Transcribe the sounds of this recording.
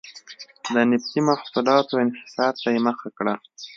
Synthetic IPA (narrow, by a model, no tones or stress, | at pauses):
d̪ənɪft̪imafsʊlɑt̪oɪnhɪ̥sɑd̪̚t̪ajeməxakɽa